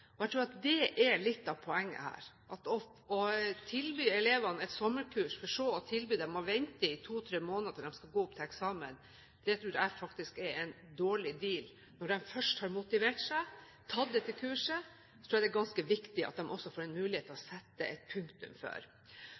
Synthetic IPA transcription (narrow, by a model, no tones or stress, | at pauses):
ɔɛɪt̪ʰɾuːɾɑt̪̚d̪ɛʔɛɭɪt̪ːɑʋpʰɔɛŋːə̰hæ̰ːɾ | ʔɑt̪ɔ | ɔt̪ʰɪlbyːɛleːʋɑnɛt̪sɔmːəɾkʰʉːʂfɔʂoːɔt̪ʰɪlbyːd̪ɛmːɔʋɛnt̪əɪt̪ʰuːt̪ʰɾeːmoːnəd̪əd̪ɛmskɑɡoːʊp̚t̪ʰɪlɛksɑːmə̰n | d̪̥ɛjæt̪ʰɾuːd̪ɛæɾfɑkt̪ɪskɛɾɛn | d̪oːɭɪd̪iːl | nɔɖɛmfœʂʈhɑɾmʊt̪ɪʋeːʈsæɪ | t̪ʰɑd̪ɛt̪ʰːɪlkʰʉːʂə | ssɔt̪ʰɾuːæd̪ɛɡɑnskəʋɪkt̪ɪʔɑ̰t̪̚d̪ɛmʔɔsːɔfoːɾɛnmʉːlɪheːt̪ʰːɛlɔsɛt̪ːəʔɛt̪̚pʰʉŋkt̪ʉ̰mfø̰ːɾ